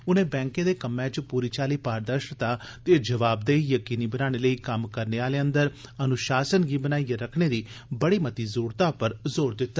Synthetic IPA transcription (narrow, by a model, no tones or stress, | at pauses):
ʊnẽːbɛ̃ːŋkẽːd̪eːkəmːɛ̃t͡ʃpuːɾiːt͡ʃaːliːpaːɾd̪əɾʃt̪aːt̪eːd͡ʒəʋaːb̚d̪eːijəkiːniːbənãːɽ̃eːləiːkəmkəɾneːaːleːənd̪əɾənʊʃaːsənɡiːbənaːiːaɾəkʰɽeːɾiːbəɽiːmət̪iːzoːɾt̪aːpəɾzoːɾd̪ɪt̪ːaː